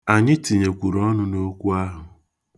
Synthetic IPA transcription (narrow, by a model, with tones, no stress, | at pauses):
a˨ɲɪ˦ti˨ɲe˨kʷu˨ɾɔ˦nʊ˦no˦kʷu˦a˦ɦʊ˨